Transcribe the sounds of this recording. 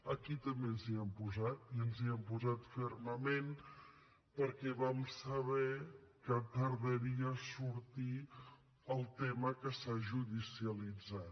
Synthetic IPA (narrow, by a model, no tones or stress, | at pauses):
əkit̪əmbenziəmpuzat̪iənziəmpuzat̪fɛɾməmen | pəɾkɛβamsəβɛkəpəɾðəɾiəsuɾt̪i | əlˠt̪eməkəsaʒuðisiəlid͡zat̪